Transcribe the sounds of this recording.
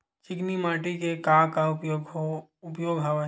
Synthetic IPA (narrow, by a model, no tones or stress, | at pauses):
t͡ʃɪknimaːʈikekaːkaʊjoɡʊpjoːɡɦaʋe